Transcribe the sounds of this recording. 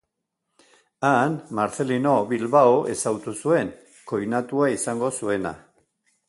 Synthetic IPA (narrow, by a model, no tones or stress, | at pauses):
anmaɾθe̞lino̞βilβaoʔe̞sawt̪usue̞ŋ | ko̞jnat̪uaisaŋɡo̞sue̞na̰